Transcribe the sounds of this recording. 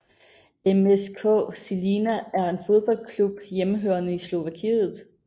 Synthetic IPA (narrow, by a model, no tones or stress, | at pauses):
emeskʰɔ̰̽ːsilinææɐe̝nfo̝ð̞ˠb̥ɒ̽l̰kʰlub̥jeməɦø̰ːɐnəislo̝ʋækʰḭːð̩ˠ